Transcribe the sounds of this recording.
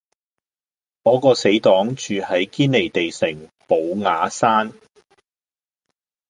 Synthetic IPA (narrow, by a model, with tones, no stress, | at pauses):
kɔː˨˥kɔː˧se˨˥jt̪ɔː˨˥ŋt͡ʃyː˨hɐ˨˥jkiː˥nle˨˩jt̪e˨jsɪ˨˩ŋpo˨˧wŋaː˨˧saː˥n